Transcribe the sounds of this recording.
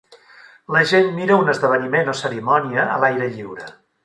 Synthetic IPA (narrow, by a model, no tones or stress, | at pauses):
ləʒenːiɾəunəzðəβ̞ənimenosəɾimɔniəə̰lajɾəʎiwɾə̰